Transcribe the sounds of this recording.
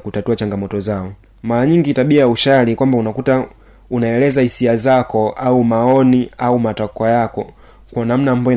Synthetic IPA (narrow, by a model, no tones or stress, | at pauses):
kutatuat͡ʃaŋɡamɔtɔzaɔ | maɾaɲiŋɡitaɓiajauʃalikwambaunakuta | unaɛlɛzahisiazakɔʔaumaɔniaumatakajakɔ | kwanam̩namba